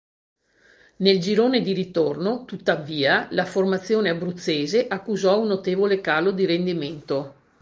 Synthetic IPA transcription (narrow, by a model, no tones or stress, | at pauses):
neld͡ʒiɾoːned̪iɾit̪ornot̪ut̪ːaviːalaformat̪sːjoːneabɾut̪sːeːzeʔakːuzɔunːot̪eːvolekaːlod̪iɾend̪iment̪o